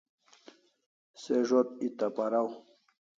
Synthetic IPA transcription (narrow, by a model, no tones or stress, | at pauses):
seʐot̪̚it̪apaɾaw